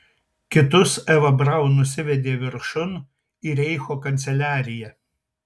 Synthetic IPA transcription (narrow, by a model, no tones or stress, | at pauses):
kʲɪt̪ʊsɛʋɐbɾɐʊnʊsʲɪʋʲɛd̪ʲeːʋʲɪɾʃʊn | iɾʲɛɪxoːkɐnʲt̪sʲɛlʲæːɾʲɪjɛ